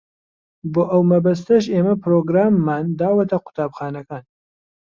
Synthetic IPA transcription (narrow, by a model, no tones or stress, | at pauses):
boːʔɐwmɐbɐs̬t̪ɐʃeːmɐpʰɾoːɡɾaːmːaːnd̪aːwɐt̪ʰɐqʊ̥t̪ʰaːbxaːnɐkaːn